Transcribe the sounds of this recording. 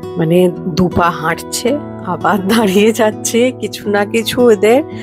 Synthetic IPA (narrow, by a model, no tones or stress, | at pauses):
məned̪upaɦãʈʰt͡ʃʰɛ | abat̪̚d̪ʱaɽijed͡ʒat̪̚t͡ʃʰɛkit͡ʃʰunakit͡ʃʰud̪eɾ